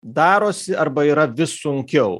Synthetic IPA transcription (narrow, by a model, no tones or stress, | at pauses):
d̪ɑːɾoːsʲɪɐɾbɐiːɾɐʋʲɪsːʊŋʲkʲɛʊ